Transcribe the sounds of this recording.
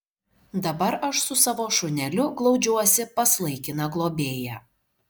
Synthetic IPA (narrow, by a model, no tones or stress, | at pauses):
d̪ɐbɐɾɐʃsʊsɑʋoːʃʊnʲɛlʲʊɡlˠɒʊd͡ʒʲuɔsʲɪpɐslˠɐɪkʲɪnɐɡlˠoːbʲeːjæ